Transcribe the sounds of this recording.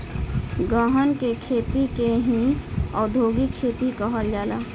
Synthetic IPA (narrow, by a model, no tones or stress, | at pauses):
ɡəɦənkekʰeːt̪ikeɦĩɔːɾd̪ʱoːɡikʰeːt̪ikəɦəld͡ʒaːlaː